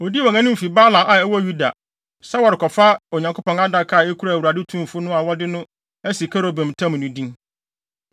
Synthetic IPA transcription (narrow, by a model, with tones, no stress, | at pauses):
o˨di˦ɔ̃˨ŋã˦nʊ̃˦m̩˨fi˨ba˦lã˨ʔa˨ɛ˦wɔ˦ju˦da̰˨ | sɛ˦wɔ˨ɾɪ˨kʰɔ˨fa˦o˨ɲã˨ŋkʰo˦pɔ̃˨ŋa˦da˨kʰa˨e˦kʰu˦ɾa˦˨wu˨ɾa˨dɪ˦tʰũ˦˨fʊ˦nʊ̃˦a˨wɔ˦dɪ˦nʊ̃˦ | æ˦si˨kʰa˦ɾo˦bɛ̃˨m˨tʰã˦m̃˨nũ˨dĩ˦ŋ